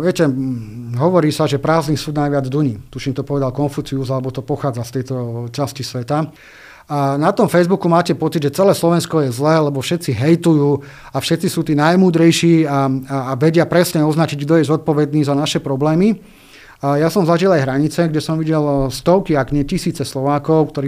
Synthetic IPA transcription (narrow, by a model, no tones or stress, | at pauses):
ʋɪɛcɛ | ɦɔʋɔɾiːsaʒɛpɾaːzniːsuːd̪najʋɪad͡zd̪uɲiːt̪uʃiːmt̪ɔpɔʋɛd̪alkɔnfut͡siuzalɛbɔt̪ɔpɔxaːd͡zast̪ɛjt̪ɔt͡ʃascisʋɛt̪a | nat̪ɔmfɛjzbukumaːcɛpɔt͡sid̪ʒɛt͡sɛlɛːslɔʋɛnskɔjɛzlɛːlɛbɔfʃɛt̪t͡siɦɛjt̪ujuː | afʃɛt̪t͡sisuːt̪iːnajmuːd̪ɾɛjʃiːaːʋɛɟɪapɾɛsɲɛɔznat͡ʃiɟɡd̪ɔjɛzɔt̪̚pɔʋɛd̪niːzanaʃɛpɾɔblɛːmi | jasɔmzaʒilajɦɾaɲit͡sɛɡɟɛsɔmʋiɟɛlst̪ɔʊkiaɡɲɛcisiːt͡sɛslɔʋaːkɔʊkt̪ɔɾiː